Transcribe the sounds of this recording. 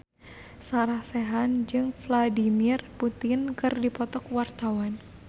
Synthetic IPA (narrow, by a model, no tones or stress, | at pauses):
saɾahsɛɦand͡ʒɨŋfladimirput̪ɪnkɨrdipɔt̪ɔkwart̪awan